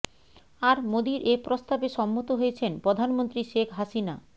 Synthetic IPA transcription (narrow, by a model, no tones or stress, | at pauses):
aɾmod̪iɾʔepɾost̪abeʃɔmːot̪oɦojet͡ɕʰenpɾod̪ʱanmont̪ɾiʃekʰɦaʃina